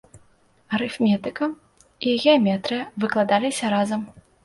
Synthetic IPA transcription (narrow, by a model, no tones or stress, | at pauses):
ɐɾɨfmʲɛt̪ɨkɐ | iɣʲɛɐmʲɛt̪ɾɨjɐvɨklˠad̪alʲisʲɐɾazɐm